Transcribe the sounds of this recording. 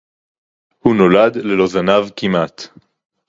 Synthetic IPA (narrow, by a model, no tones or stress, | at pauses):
huno̞lad̪le̞lo̞zanavkimʔat̪